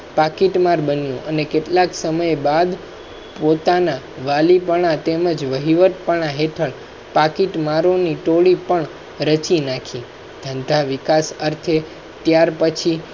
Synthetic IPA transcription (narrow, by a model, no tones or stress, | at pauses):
pakiʈmaɾbənjũʔənekeʈlaksəməjbad̪ | pot̪ana | ʋalipəɽ̃at̪eməd͡ʒʋəɦiʋət̪̚pəɳ̃aɦeʈʰəɭ | pakiʈmaɾoniʈoɭipəɳ | ɾət͡ʃinakʰĩ | d̪̥ʱənd̪ʱaʋikasəɾt̪ʰe | t̪jaɾpət͡ʃʰi